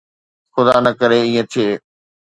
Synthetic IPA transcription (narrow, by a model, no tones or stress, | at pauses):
xʊd̪aːnɐkəɾeiːẽt̪ʰieː